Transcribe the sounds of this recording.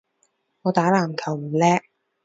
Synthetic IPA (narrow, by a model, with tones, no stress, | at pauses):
ŋɔː˨˧t̪aː˨˥laː˨˩mkʰɐ˨˩wm̩ː˨˩lɛː˦˥